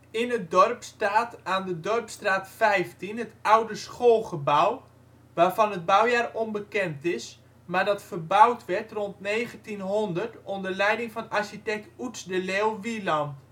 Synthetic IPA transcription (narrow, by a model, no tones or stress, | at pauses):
ɪnət̚dɔrpstaːtaːndədɔrpstraːtfɛjftinɦətawdəsχolˠχəbaw | ʋaːrvɔnəd̚bawjaːrɔnbəkɛntɪs | maːɹdɑtfərbawtʋɛrtrɔntneːɣəntinɦondərtɔndərlɛjdɪŋfɔnarʃitɛk̚tutsdəleːlˠʋilɔnt